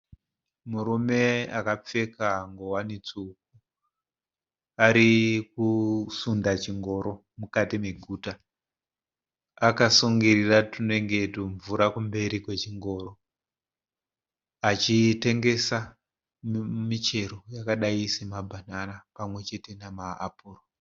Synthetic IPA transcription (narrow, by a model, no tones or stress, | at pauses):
muɾume̞akap͡fe̞kaːŋɡo̞wanit͡souk̚u | aɾik̚usundat͡ʃiŋɡo̞ɾo̞ | mukatime̞ɡʱuːta | akasuŋɡiriratineŋɡe̞toɱvuɾakumbe̞ɾikwe̞t͡ʃiŋɡo̞ɾo̞ | at͡ʃite̞ŋɡe̞sa | mit͡ʃe̞ro̞jakaɗaisemabʱananapamwe̞t͡ʃe̞te̞namaːpuːro